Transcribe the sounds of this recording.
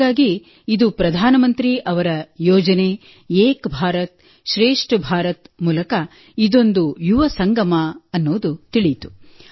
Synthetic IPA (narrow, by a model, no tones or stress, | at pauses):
aːɡi | id̪upɾɐd̪ʱaːnɐmɐnt̪ɾiʔɐʋɐɾɐjɔːd͡ʒɐne | eːkbʱaːɾɐt̪̚ | ʃɾeːʂʈbʱaːɾɐt̪muːlɐkɐ | id̪o̞nd̪ujuʋɐsɐŋɡɐmɐɐnːoːd̪ut̪iɭit̪u